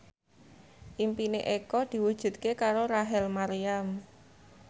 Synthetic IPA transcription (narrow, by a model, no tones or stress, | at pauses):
ʔimpineʔekɔd̪̥i̤wud̥ʒ̥ṳt̪̚kekaɾoɾaɦɛlmaɾiam